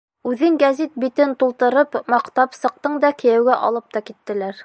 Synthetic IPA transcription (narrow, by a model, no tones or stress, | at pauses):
ʉðɘŋɡæzit̪̚bit̪ɘnt̪ulˠt̪ɤ̆ɾɤpmɑqt̪ɑpsɤ̆q̚t̪ɤɴd̪ɑkɘ̆jæwɡæʔɑ̰lˠɤp̚t̪ɑkit̪ːɘ̆læɾ